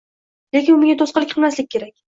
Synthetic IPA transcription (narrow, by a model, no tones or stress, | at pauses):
le̞kʲɪnʊmeŋʲat̪ʰosqɨlˠɪkʲqʰɨlˠmaslɪkʲʰːe̞ɾakʲ